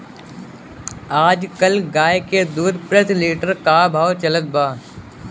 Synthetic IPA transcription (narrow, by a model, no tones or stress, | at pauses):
aːd͡ʒkɐlɡaːeked̪uːd̪pɾət̪liːʈəɾkaːbʱaːwt͡ʃɐlət̪̚baː